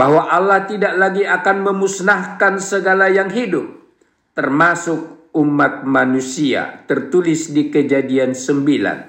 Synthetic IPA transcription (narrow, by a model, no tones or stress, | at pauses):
baɦwaʔalaht̪idaʔlaɡiakanməmusnahkansəɡalajaŋɦidʊp̚ | t̪ərmasʊk̚umat̪̚manusia̰t̪ərt̪ulɪsdikəd͡ʒadiansəmbila̰n